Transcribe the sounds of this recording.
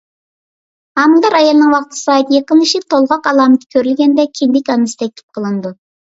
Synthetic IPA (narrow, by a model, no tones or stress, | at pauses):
hɑmlˠd̪ɑɾɑjɑlˠɨnɨŋwɑqt̪ʰɨ̥sɨɑːjit̪jeqənlːˠɨʃit̪ʰolˠʁɑqɑlˠɑːmɨt̪ʰɪ̥kʲʰøɾylɡʲɛnd̪ɛkʲʰind̪ɪkʲɑnɨsɨ̥t̪ʰɛk̚ʲt̪ʰɪ̥p̚qʰəlˠɨnd̪u